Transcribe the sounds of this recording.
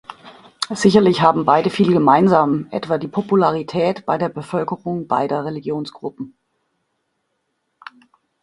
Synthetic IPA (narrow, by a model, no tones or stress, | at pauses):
z̥ɪçɐlɪçɦaːbm̩baɪdəfiːlɡəmaɪnzaːmʔɛ̰tv̥aːdiːpʰopulaʁ̞itʰɛːtb̥aɪdeːɐbəfœlkəʁʊŋb̥a̰ɪdɐʁeliɡjoːnsɡ̥ʁʊpm̩